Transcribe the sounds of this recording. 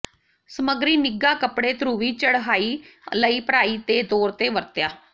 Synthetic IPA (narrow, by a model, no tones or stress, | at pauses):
səməɡɾiːnɪɡaːkəpɽeːt̪ʰɾuːʋiːt͡ʃəɽɦaːiːləiːpəɾaːiːt̪eːd̪oːɾt̪eːʋəɾt̪jaː